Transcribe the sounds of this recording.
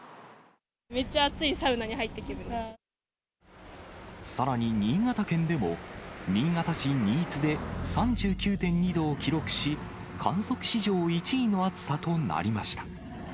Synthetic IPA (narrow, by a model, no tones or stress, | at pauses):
me̞t͡ɕːaːt͡sɨisaɯ̟naɲihait̪ːe̞kʲiɾɯ̟nd̪e | saɾaɲ̟iɲ̟iːŋat̪akẽ̞nd̪e̞mo̞̰ɲʲiːŋat̪aɕiɲʲiːt͡sɨd̪e̞sãɲ̟d͡ʑɨːkʲɨːt̪ẽ̞ɲ̟ːid̪o̞ːkʲiɾo̞kɯ̟̥ɕi | kʰãɰ̃so̞kɯ̟̥ɕiʑo̞ːit͡ɕiino̞at͡sɨ̥sat̪o̞na̰ɾʲimaɕi̥t̪ḁ